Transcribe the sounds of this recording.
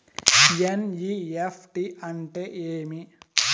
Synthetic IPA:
jenjiefʰʈiʔɐɳʈeʔeːmi

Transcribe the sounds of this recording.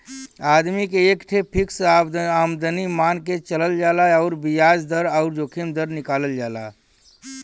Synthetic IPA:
ad̪mikeːkʈʰepʰiksamd̪ənimanket͡ʃələld͡ʒaːlaɔʊɾbijad͡ʒd̪əɾɔʊɾd͡ʒoːkʰimd̪əɾnɪkaːləld͡ʒaːla̰

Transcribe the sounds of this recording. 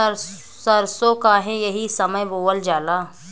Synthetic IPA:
ɾ | səɾsokaːɦẽjɐɦisɐməjboːəld͡ʒaːlaː

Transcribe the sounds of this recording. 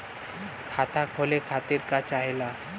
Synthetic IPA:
kʰat̪akʰolekʰat̪iːɾkat͡ɕaɦela

